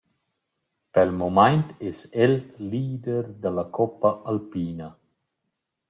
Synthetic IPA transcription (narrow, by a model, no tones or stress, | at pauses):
pelmomajnt̪ɛsɛlːiːd̪eɾd̪alakʰɔpːaʔalpiːna